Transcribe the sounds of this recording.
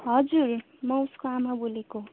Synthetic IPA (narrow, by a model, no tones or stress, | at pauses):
ɦʌd͡zur | mʌuskoamaboleko